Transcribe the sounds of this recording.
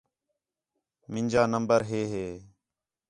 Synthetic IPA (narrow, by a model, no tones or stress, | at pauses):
mɪɲʲd͡ʒaːnəmbəɾɦeːɦeː